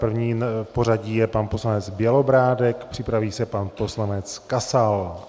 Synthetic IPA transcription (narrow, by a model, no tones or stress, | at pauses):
pr̩vɲiːpor̝aɟiːjɛpanposlanɛt͡sbjɛlo̞bɾaːdɛkpr̝̥ɪpɾaviːsɛpanpo̞slanɛt͡skasal